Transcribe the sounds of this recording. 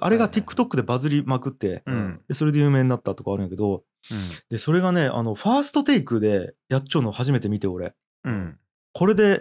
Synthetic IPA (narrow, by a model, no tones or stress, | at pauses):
a̰ɾe̞ɡat̪ʲikːɯ̟̥t̪o̞kːɯ̟d̪e̞bazɨɾʲimakɯ̟t̪ːe̞d̪e̞so̞ɾe̞d̪e̞jɯ̟ːme̞ːɲinːat̪ːat̪okaaːɾɯ̃jake̞d̪o̞ | d̪̥e̞so̞ɾe̞ɡane̞a̰no̞ɸaːsɨ̥t̪o̞t̪e̞ikɯ̟d̪e̞jat͡ɕt͡ɕːo̞nohaʑime̞t̪e̞mʲit̪e̞o̞ɾe̞̰ | kʰo̞ɾe̞d̪e̞